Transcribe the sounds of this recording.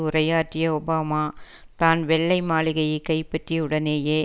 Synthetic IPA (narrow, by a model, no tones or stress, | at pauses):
ʊrɐjaːʈːɪjɐɔbaːmaː | t̪aːnʋɛɭːɐɪmaːɭɪɣɐjɐɪkːɐɪpːɐʈriʊɽɐneːjeː